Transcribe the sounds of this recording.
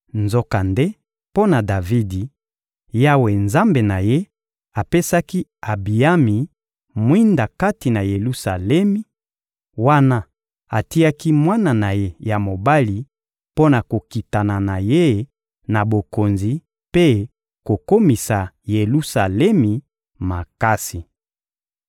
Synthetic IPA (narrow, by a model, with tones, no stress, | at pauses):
nzo˦ka˨nde˦ | po˦na˨da˨vi˦di˨ | ja˦we˨nza˦mbe˨na˨je˦ | a˨pe˦sa˦ki˦a˨bi˨a˦mi˨ | mwi˦nda˨ka˦ti˨na˨je˨lu˦sa˨lɛ˦mi˨ | wa˦na˦ | a˨ti˦a˦ki˦mwa˦na˨na˨je˦ja˨mo˨ba˦li˨ | po˦na˨ko˨ki˨ta˨na˨na˨je˦ | na˨bo˨ko˨nzi˨ | pe˦ | ko˨ko˦mi˨sa˨je˨lu˦sa˨lɛ˦mi˨ | ma˨ka˦si˨